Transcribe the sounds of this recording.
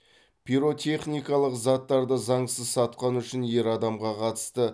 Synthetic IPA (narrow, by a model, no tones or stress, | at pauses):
pʰiɾo̞t̪ʲʰe̞χnijkɑlˠəqzɑt̪ːɑɾd̪əzɑɴsəzsɑt̪qɑnʏʃɪnje̞ɾɑd̪ɑmʁɑqʰɑt̪ə̥st̪ə